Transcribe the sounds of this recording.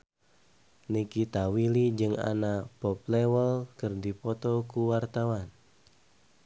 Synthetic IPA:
nikit̪awilid͡ʒɨŋa̰napɔp̚lewəlkɨrdipɔt̪ɔkuwart̪awan

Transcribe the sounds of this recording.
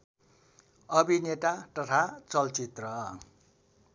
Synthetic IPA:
ʌbineʈaʈʌʈʰat͡sʌlt͡sit̪rʌ

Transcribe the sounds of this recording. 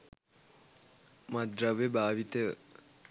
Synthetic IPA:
mad̪ɾaʋebaːʋit̪ə

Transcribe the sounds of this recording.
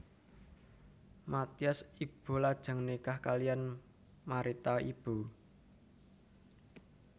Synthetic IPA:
mat̪iasib̥o̤lad̥ʒ̥a̤ŋnekahkalijan | maɾit̪aib̥u

